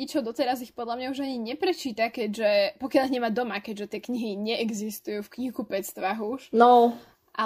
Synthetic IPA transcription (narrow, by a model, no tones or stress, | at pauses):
it͡ʃɔʊd̪ɔt̪ɛɾazixpɔd̪ʎamɲauʒaɲiɲɛpɾɛt͡ʃiːt̪akɛɟʒɛpɔkjaʎɦɲɛmad̪ɔmakɛɟʒɛt̪ɪɛkɲiɦiɲɛʔɛɡzist̪ujufkɲikupɛt͡st̪ʋaɦuʃnɔ | ʔa